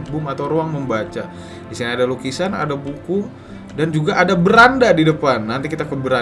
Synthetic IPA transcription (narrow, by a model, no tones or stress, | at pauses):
bʊmat̪awɾoaŋməmbat͡ʃa | disinadalukisana̰dabukʊ | dand͡ʒuɡaʔadabəɾandadidəpanːant̪ikit̪akəbəɾa